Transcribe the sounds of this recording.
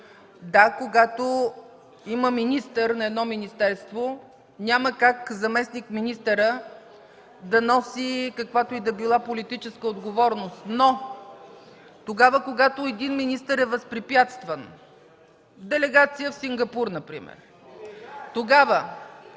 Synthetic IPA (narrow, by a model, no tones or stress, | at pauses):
d̪akoɡat̪o | iməminist̪əɾnɐɛd̪nɔminist̪ɛɾst̪vo | nʲaməkakzɐmɛsnikminist̪əɾə | d̪ɐnɔsikɐkvat̪oid̪ɐbilˠapolit̪it͡ʃɛskəod̪ɡovɔɾnost̪no | t̪oɡavəkoɡat̪oɛd̪inminist̪əɾɛvɐspɾipjat̪st̪vən | d̪ɛlɛɡat̪sijəfsiŋɡɐpuɾnɐpɾḭmɛ̰ɾ | t̪oɡavə